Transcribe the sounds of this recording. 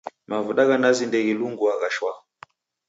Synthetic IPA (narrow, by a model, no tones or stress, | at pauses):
mavuɗaɣanazindɛɣiluŋɡuaɣaʃwa